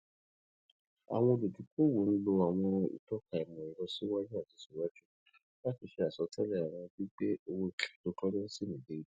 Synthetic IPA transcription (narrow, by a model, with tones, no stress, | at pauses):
a̰˨w̃ɔ̃˧o˧do˨du˨˦ku˦wo˨˦ñ̩˦lo˧a˨w̃ɔ̃˧ḭ˨tɔ˦ka˨ɛ˨mɔ̃˨i˨ɾɔ˧si˦wa˦d͡ʒũ˦a˦˨ti˨˧˦si˨wa˦d͡ʒu˦ | la˦ti˧ʃe˧a˨sɔ˨˧˦tʰɛ˦lɛ˦˨a˨w̃ã˧bi˦k͡pe˦o˧wo˧kto˧kɔ˦ɾɛ˦si˦˨nĩ˨de˨˦i˦